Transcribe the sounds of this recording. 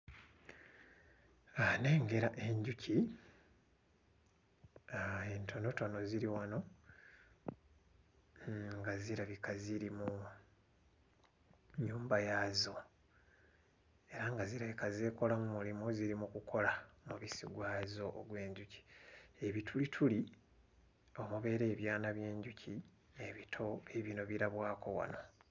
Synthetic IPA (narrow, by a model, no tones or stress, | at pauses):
ane̞ːŋɡe̞ɾaʔe̞ɲɟuci | aentʰo̞no̞to̞no̞ziɾiwano̞ | ŋɡaziɾaβikaziɾimu | ɲuːmbajazo̞ | e̞ɾaŋɡaziɾaβikazeːko̞lamumulimuziɾimukukʰo̞lamuβisiɡwaːzo̞ʔːɡwe̞ːɲɟuci̥e̞βitʰulitʰuli | o̞muβe̞ːɾe̞ːβjaːnaβje̞ːɲɟuci | eβitʰo̞βiβino̞βiɾaβwaːko̞wa̰no̞